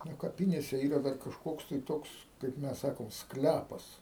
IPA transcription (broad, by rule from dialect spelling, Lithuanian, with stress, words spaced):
nʊ kɐˈpʲɪnʲeːsʲɛ ˈiːrɐ ˈdɐr kɐʃˈkoːks tɐɪ ˈtoːks kɐɪp ˈmʲɛs ˈsɑːkoːm ˈsklʲæpɐs